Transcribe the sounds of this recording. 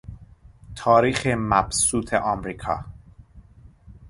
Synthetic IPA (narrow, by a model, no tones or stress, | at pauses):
t̪ʰɒːɾiːxemæb̥suːt̪ʰḛʔɒːmɾiːkʰɒ̰ː